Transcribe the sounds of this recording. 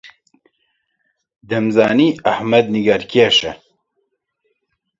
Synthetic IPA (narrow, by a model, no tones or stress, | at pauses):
d̪ɛmzaːniːɐhmɐd̪̚niɡɐɾkʰeːʃɛ